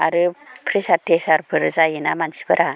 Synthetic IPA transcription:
aɾɯpʰɾisatesaɾpʰɯɾzajinamansi̥bɯɾʔa

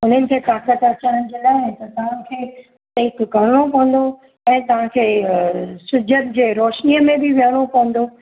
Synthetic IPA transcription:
ʊn̤ənɪ̆kʰeːt̪aːkət̪ɐt͡ɕaːɽəñ̆d͡ʑilaːɪ̃t̪ɐt̪ɐʋ̤ãnɪ̆kʰeː | t̪eɪkːɐɾɽ̃opɐ̃ʋə̃n̆d̪o | ɛ̃ːt̪ɐʋ̤ãkʰeː | sʊd͡ʑʱəd̪d͡ʑeːɾoːʃniəmẽbɪʋjəɽ̃opɐ̃ʋə̃n̆d̪o

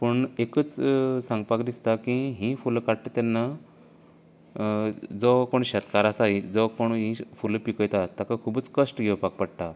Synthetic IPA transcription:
pəɳekət͡ssãŋɡpakd̪ist̪akiɦĩfulkaɽt̪et̪anːa | d͡zɔkoɳɕət̪kaɾasaɦid͡zɔkoɳɦĩfulpikəjt̪at̪akakʰubət͡skəsʈɡʱewpak̚pəɽt̪a

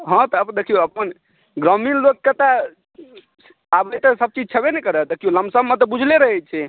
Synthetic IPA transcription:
ɦɔ̃t̪ɔəbd̪ekʰijoəpən | ɡɾɔminlokːət̪a | abəjt̪əsəb̚t͡ʃid͡ʒ̚t͡ʃʰəbenɛkəɾəd̪ekʰijoləmbsəmːet̪ɔbud͡ʒʱleɾəɦɛt͡ʃʰɛ

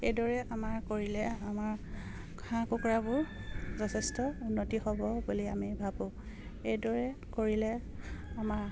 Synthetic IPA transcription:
ejdɔɹɛamaɹkoɹilɛamaɹ | kʰãkukɹabʊɹzɔtʰɛstɔunːotihɔbɔbuliamibʱabʊ̃ | ejdɔɹɛkoɹilɛ | amaɹ

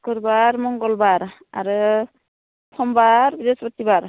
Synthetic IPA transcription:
kɯɾbaɹmɔŋɡɔlbaɾ | a̰ɾɯ | sʰɔmbaɹbidespɔtːibaɾ

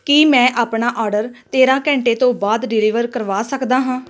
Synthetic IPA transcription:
kimɛ̃ːʔaːpɳaːʔɔːɾɖəɾt̪eːɾãːkɛ̃ːɳʈeːt̪õːbaːd̪ɖɪliːʋəɾkəɾʋaːsəkd̪aːɦãː

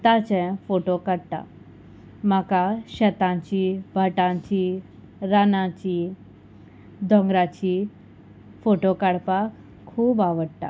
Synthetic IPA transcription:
t̪at͡ɕɛ̃foʈokaɽt̪a̰ | makaɕət̪ãɲt͡ɕiːbʱaʈãt͡ɕi | ɾanãt͡ɕi | d̪ʱɔ̃ŋɡɾat͡ɕiː | foʈokaɽpakʰː | uːbaʋəɽt̪a̰

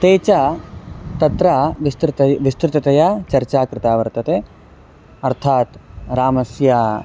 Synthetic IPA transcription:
t̪eːt͡ʃa | t̪ɐt̪ɾaːʋist̪ɾt̪ɐʋist̪ɾɪt̪ɐt̪ɐjaːt͡ʃɐɾt͡ʃaːkɾɪt̪aːʋɐɾt̪ɐt̪eː | ɐɾt̪ʰaːt̪ɾaːmɐsjaː

